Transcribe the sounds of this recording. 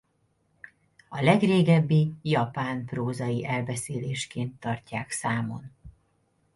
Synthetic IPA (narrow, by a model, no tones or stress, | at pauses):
ɒlɛɡreːɡɛbːijɒpaːnproːzɒjiʔɛlbɛseːleːʃkeːnt̪ːɒrcaːksaːmo̞̰n